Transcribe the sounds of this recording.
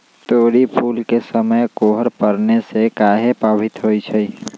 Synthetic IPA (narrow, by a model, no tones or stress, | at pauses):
t̪oːɾipʰuːlkesəməjkoːɦəɾpəɾnesekaːɦepaːbʱɪt̪ɦoit͡ʃʰə